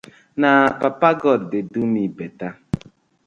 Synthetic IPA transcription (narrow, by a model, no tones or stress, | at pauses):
napapaɡɔddedunibeta